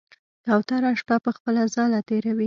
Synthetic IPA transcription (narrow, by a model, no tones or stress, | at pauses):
kawt̪aɾaʃpapəxpəlazɑlat̪eɾawi